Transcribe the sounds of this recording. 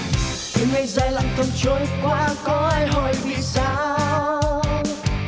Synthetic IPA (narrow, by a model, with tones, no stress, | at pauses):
i˨˧ŋa˧jzaː˧˩jla˧˩ŋt̪ə˨˩mt͡ɕo˨˦jkwaː˧kɔ˨˦ʔaː˧jɦɔ˧˩jvḭ˧˨saː˧˦w